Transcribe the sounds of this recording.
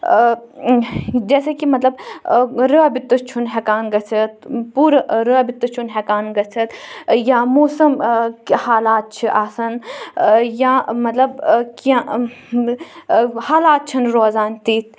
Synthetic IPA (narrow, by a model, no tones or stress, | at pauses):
d͡ʒɛːsekimɐt̪lɐb | ɾəbit̪ːɨt͡ʃʰunɦɛːkaːnɡɐsʰɐt̪̚puːɾɾəːbit̪ːɨt͡ʃʰunɦɛːkaːnɡɐt͡sʰɐt̪jaːmuːsɐmhaːlaːt̪̚t͡ʃʰiʔaːsɐn | jãːmɐt̪lɐbkjã | haːlaːt̪̚t͡ʃʰɐnɾoːzaːnt̪iːt̪̚ʰ